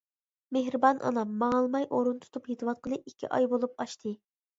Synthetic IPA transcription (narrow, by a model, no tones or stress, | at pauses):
meɦɾɨbɑnʔɑ̰nɑmːɑŋɑlˠmɑjʔoɾunt̪ʰu̥t̪ʰuphet̪ɨwɑt̪̚qʰəlˠɨikʲʰːḭʔɑ̰jbolˠup̚ɑʃt̪ʰɨ